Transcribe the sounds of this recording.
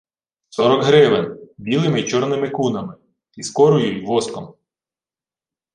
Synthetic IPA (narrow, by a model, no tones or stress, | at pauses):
sɔɾɔɡɦɾɪʋɪnbʲilˠɪmɪit͡ʃɔrnɪmɪkunɐmɪ | iskɔɾʊjujʋɔskɔm